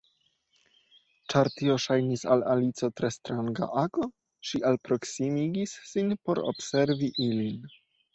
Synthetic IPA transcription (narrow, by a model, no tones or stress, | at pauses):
t͡ʃaɾt̪io̞ʃajnisalalit͡so̞t̪ɾest̪ɾaŋɡa̰ʔaɡo | ʃiʔalpɾo̞ksimiɡisːinpo̞ɾo̰bseɾviʔilin